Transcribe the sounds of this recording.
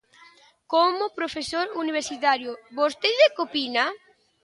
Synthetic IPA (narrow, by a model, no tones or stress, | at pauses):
komopɾofesoɾuniβ̞eɾsit̪aɾjobost̪eðekopina